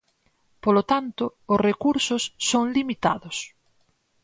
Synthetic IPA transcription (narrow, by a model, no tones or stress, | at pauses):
polot̪ant̪ʊʊsrekuɾsʊsːoŋlimit̪a̰ðʊs